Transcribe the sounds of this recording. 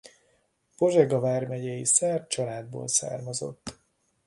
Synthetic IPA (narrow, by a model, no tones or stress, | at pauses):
po̞ʒɛɡɒvaːrmɛɟɛjisɛrt̪̚t͡ʃɒlaːd̪̚bo̰ːlsa̰ːrmɒzo̞̰t̪ː